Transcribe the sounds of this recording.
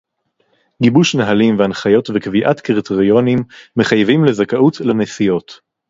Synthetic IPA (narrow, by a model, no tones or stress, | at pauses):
ɡibuʃnaɦalimveanχajo̞tvekviʔatkʁteʁio̞nimːe̞χajvimlezakaʔutlanesijo̞t